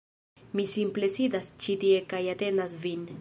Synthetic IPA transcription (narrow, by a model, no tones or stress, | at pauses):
misimplesid̪ast͡ʃit̪iekajat̪enasvin